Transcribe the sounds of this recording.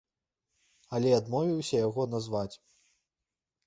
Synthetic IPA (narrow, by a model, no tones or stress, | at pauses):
ɐlʲɛad̪mɔvʲiwsʲɐjaɣɔnazvat͡sʲ